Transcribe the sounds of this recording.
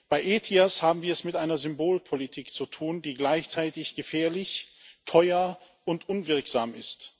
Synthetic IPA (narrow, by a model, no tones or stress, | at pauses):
b̥aɪʔeːtʰiashaːbm̩viːɐɛsmɪtʔaɪnɐzʏmboːlpʰolitʰiːkt͡sutʰuːndiːɡlaɪçt͡saɪtɪçɡ̥əfɛːɐlɪçtʰɔʏɐ | ʊntʔʊnvɪɐkz̥aːmɪst